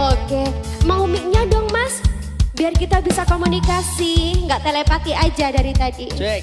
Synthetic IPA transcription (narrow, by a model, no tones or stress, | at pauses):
oke | maumik̚ɲadɔŋmas | biarkit̪abisakomunikasiŋɡaʔt̪elepat̪iad͡ʒadaɾit̪adi